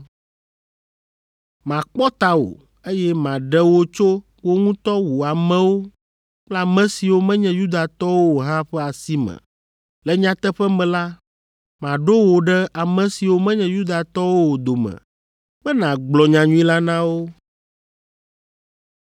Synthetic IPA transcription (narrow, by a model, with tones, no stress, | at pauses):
mã˨k͡pɔ˦t̪a˦wo̰˨ | e˦jɛ˦mã˨ɖɛ˦wo˦t͡ʃo˦ | wo˦ŋũ˦t̪ɔ˦wu˨a˨mɛ̃˦wo˦ | k͡pla˦˨mɛ̃˦si˨wo˦mɛ̃˦ɲɛ̃˦ju˦d̪a˨t̪ɔ˦wo˦wo˨ɦã˦ɸɛ˦a˨si˦mɛ̰̃˨ | lɛ˦ɲã˦t̪ɛ˦ɸɛ˦mɛ̃˨la˦ | mã˨ɖo˦wo˨ɖɛ˦ʔa˨mɛ̃˨si˨wo˦mɛ̃˦ɲɛ̃˦ju˦d̪a˨t̪ɔ˦wo˦wo˨d̪o˨mɛ̰̃˨ | mɛ˦nã˨ɡ͡blɔ˨ɲã˨ɲũ˦ĩ˦la˦nã˦wo˦